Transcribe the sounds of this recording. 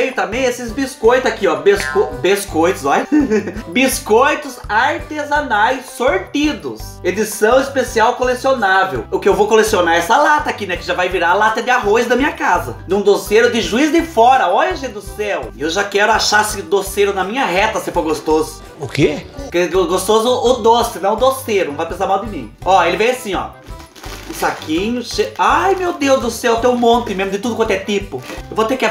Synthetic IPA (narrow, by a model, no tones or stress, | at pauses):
ejt̪ɐ̃mẽj̃esɪzbiskojt̪ʊakiɔbeskobeskojt̪ʊsɔjbiskojt̪ʊzaɾt̪ezanajsːoɾt̪id̪ʊsed͡ʒ̪isɐ̃w̃ɪspesiawkolesionavḛwʊkɪewvowkolesionaɾɛsɐlat̪ɐːkinɛkɪʒavajviɾaalat̪ɐd̪ɪaɦojzd̪ɐmĩɲɐkazɐ̰d̪ɪũd̪osejɾʊd̪ɪʒuizd̪ɪfɔɾɐɔʎɐʒẽd̪ʊsɛwɪewʒakɛɾʊaʃaɾsɪd̪oseɾʊnɐmĩɲɐɦɛt̪ɐsefoɾɡost̪ozʊ | ʊkekɪoɡost̪ozʊːd̪osɪnɐ̃w̃ʊd̪oseɾʊnɐ̃vajpẽs̬aɾmawd̪ɪmĩɔelɪvẽj̃asĩɔ̰ | ũsakʰĩɲʊʃeajmewd̪ewzd̪ʊsɛwt̪ewmõnt̪ɪmẽzmʊd̪ɪt̪ud̪ʊkɐ̃nt̪ʊɛt̪ipʊewvot̪ekɪ